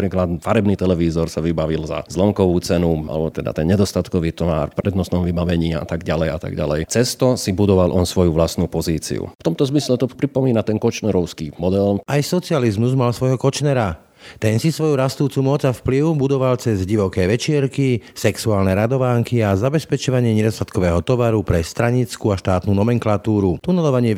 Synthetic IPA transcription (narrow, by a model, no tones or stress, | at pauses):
pɾiːklad̪faɾɛbnit̪ɛlɛʋiːzɔɾsaʋibaʋilza̰zlɔŋkɔʋuːt͡sɛnua̰lɛ̰bɔt̪ɛd̪a̰t̪ɛnɲɛd̪ɔst̪at̪kɔʋiːt̪ɔʋa̰ːɾpɾɛd̪nɔst̪nɔmʋibaʋɛɲiːa̰t̪aɡɟalɛjat̪a̰ɡɟa̰lɛjt͡sɛst̪ɔsibud̪ɔʋalʔɔnsʋɔjuʋlasnupɔziːt͡sḭṵft̪ɔmt̪ɔzmislɛt̪ɔpɾipɔmiːnat̪ɛnkɔt͡ʃnɛɾɔʊskimɔd̪ɛlʔajsɔt͡sializmuzmalsʋɔjɦɔkɔt͡ʃnɛɾa | t̪ɛnsisʋɔjuɾast̪uːt͡sumɔd͡zafpliʊbud̪ɔʋalt͡sɛzɟiʋɔkɛːʋɛt͡ʃɪɛɾkisɛksuaːlnɛɾad̪ɔʋaːŋkiazabɛspɛt͡ʃɔʋaɲɪɛɲɛd̪ɔst̪at̪kɔʋɛːɦɔt̪ɔʋaɾupɾɛst̪ɾaɲit͡skuːaʃt̪aːt̪nuːnɔmɛŋklat̪uːɾut̪unɛlɔʋaɲɪɛ